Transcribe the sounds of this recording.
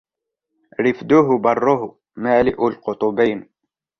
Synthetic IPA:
ɾɪfd̪ʊɦʊbɑrˤːʊɦʊ | maːlɪʔʊlqʊt̪ˤʊbiːn

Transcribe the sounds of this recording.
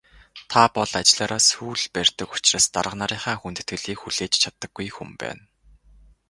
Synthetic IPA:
t̪ʰapɔɮat͡ɕ̆ɮaːɾaːsxuːɮpærʲt̪ə̆kʊ̥t͡ɕraːst̪a̰ɾə̆qnaɾiːɴχaːxunt̪ɘ̆t̪ɡɘ̆ɮiːkxuɮeːt͡ɕt͡ɕʰat̪ːə̆ɡːujxṵmpæ̰ːn

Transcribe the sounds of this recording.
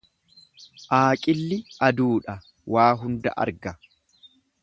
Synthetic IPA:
ʔaːkʼɪlːɪʔɐd̪uːᶑɐ | wʔaːɦʊnd̪ɐ̰ʔɐ̰ɾɡɐ

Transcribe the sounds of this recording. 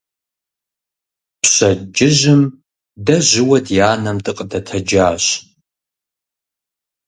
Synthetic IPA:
pʰɕɐd͡ʒɪʒɪm | dɐʑɪwɐdjaːnɐmtʼɨqʼdɐtʰɐd͡ʒaːɕ

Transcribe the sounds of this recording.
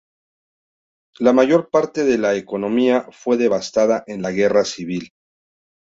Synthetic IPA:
lamaʝo̞ɾpaɾt̪e̞ðe̞laeko̞no̞miafwe̞ðe̞βast̪aðaʔe̞nlaɣe̞rasiβ̞il

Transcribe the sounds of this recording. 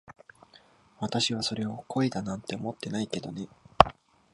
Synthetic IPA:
βat̪aɕiβ̞aso̞ɾe̞o̞kʰo̞ed̪anãnt̪ːe̞omot̪ːe̞naike̞d̪o̞ne̞

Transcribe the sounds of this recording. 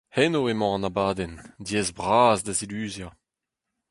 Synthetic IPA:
hɛnoemɑ̃ɑ̃nabaːdɛndjɛːzbʁaːzdazilyːzja

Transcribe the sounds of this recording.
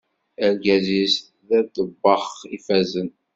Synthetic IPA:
æɾɡæzisθ | ðæd̪əbːɑχifæzən

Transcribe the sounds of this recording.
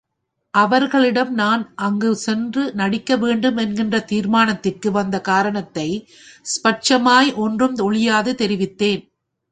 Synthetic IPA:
ʔɐʋɐɾɣɐɭɪɽɐmnaːnʔɐŋɡɯsɛndrɯnɐɽɪkːɐʋeːɳɖɯmɛnɡɪndrɐt̪iːɾmaːnɐt̪ːɪrkɯʋɐnd̪ɐkaːɾɐɳɐt̪ːɐɪ | spɐʈ̚t͡ʃɐmaːjʔɔndrɯmt̪ɔɭɪjaːðɯt̪ɛɾɪʋɪt̪ːeːn

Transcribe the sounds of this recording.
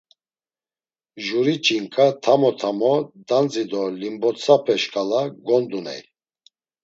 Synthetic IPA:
ʒuɾit͡ʃʼiŋkʼat̪ʰamɔt̪ʰamɔd̪and͡zid̪ɔlimbɔt͡sʰapʰɛʃkʼalaɡɔnd̪unɛ̰j

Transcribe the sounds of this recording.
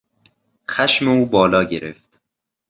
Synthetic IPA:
xæʃmeuːbɒːlɒːɟeɾeft̪

